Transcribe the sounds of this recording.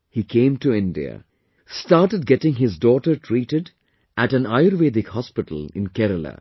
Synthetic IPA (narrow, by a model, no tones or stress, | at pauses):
hiːkʰẽːmʈuɪ̃nɖḭə̰ | sʈaːɾʈəɖ̚ɡɛʈɪ̃ŋɦɪzdɔːʈəɾʈʰɾiːʈɪɖ | ʔæʈæ̃naɪəɾʋeːd̪ɪkhɔspɪʈə̰l̩ɪ̰̃nkɛɾəla̰